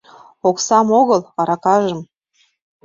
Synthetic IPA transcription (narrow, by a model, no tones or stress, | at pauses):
oksɑmoɣɤlˠɑɾɑkɑʒə̆m